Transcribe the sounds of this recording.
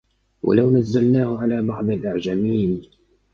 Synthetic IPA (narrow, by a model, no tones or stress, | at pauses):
wa̰lawnazːalnaːhʕalaːbɑʕd̪ˤɪlʔaʕd͡ʒamiːn